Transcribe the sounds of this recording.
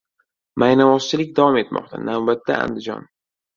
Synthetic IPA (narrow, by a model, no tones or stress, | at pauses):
majnavɒst͡ʃʰɪlɪkʲd̪avɒme̞t̪mɒ̰q̚t̪ʰa̰nawbat̪ːa̰a̰nd̪ɪd͡ʒɒ̰n